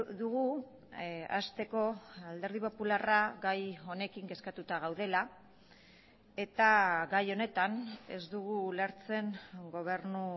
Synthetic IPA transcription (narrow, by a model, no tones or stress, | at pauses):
d̪uɣu | a̰st̪e̞ko̞ald̪e̞ɾð̞ipo̞pularaɡajo̞ne̞kiŋɡe̞skat̪ut̪aɣawð̞e̞la | e̞t̪aɣajo̞ne̞t̪ane̞̰zd̪uɣuleɾt͡se̞ŋɡo̞β̞e̞ɾnu